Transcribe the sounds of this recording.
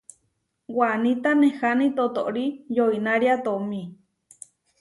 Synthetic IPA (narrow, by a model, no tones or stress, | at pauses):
wanit̪anehanit̪ot̪oʔɾijoinaɾiat̪omĩ